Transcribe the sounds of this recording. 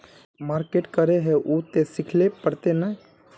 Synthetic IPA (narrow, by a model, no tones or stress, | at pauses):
maːɾkeːʈkəɾeɦɛʔut̪esɪkʰlepəɾt̪ena